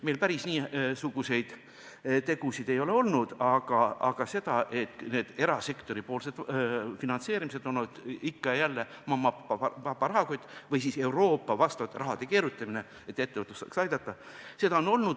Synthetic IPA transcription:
melpæɾisniːsuɡ̥use̞jd̪̥ | t̪e̞ɡ̥usid̪e̞jo̞le̞o̞lnud̪̥ɑɡ̥ɑɑ̰ɡ̥ɑse̞d̪̥ɑʔe̞t̪ne̞ːd̪̥e̞ɾɑse̞kt̪o̞ɾipoːlse̞d̪̥finɑnse̞ːɾimise̞d̪onːud̪̥ikːɑjælːe | mɑmɑpːɑɑpːɑɾɑɦɑkojt̪vɯjsiːse̞wɾo̞ːpːɑvɑst̪ɑvɑt̪ːˑeɾɑɦɑd̪̥e̞ke̞ːɾut̪ːˑɑmine̞ | e̞t̪ːˑet̪ːevɯt̪ːˑusɑ̰ːksɑjd̪̥ɑt̪ːˑɑ | se̞d̪ɑono̞lnud̪̥

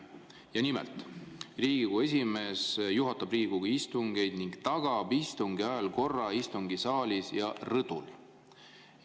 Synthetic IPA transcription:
jɑnimḛlt̪riːɡiɡ̥ue̞s̬ʲime̞sjuɦɑt̪ːɑbriːɡ̥uɡ̥ɑist̪uŋɡ̥e̞jd̪̥niŋɡt̪ɑɡ̥ɑbist̪uŋɡ̥iɑɑlko̞rːɑist̪uŋɡisɑːlʲisjɑrɤd̪̥ul

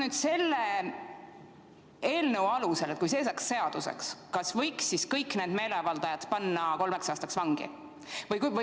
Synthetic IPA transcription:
nyːd̪̥se̞lːe | e̞ːlnəwɑluse̞let̪̚kujs̬e̞ːsɑksːe̞ɑd̪̥usḛkskɑsvɤjksːiskɤjknend̪me̞ːle̞vɑld̪̥ɑjɑt̪pɑnːɑko̞lme̞ksɑːst̪ɑksvɑŋɡ̥ḭ | vɤjkv

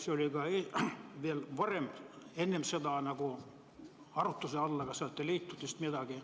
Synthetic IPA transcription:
seolikɑeʋielʋɑrempenːempsed̪ɑɑˑnɑko | ɑrut̪ːuseɑlːɑkɑsɑnoet̪ːeliːt̪ːut̪ːist̪mied̪ɑɡi

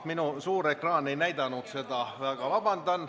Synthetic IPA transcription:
t̪minusuːɾe̞krɑːne̞jnæjd̪̥ɑnuk̪se̞d̪ɑvæːɡ̥ɑʋɑb̥ɑnd̪̥ɑn

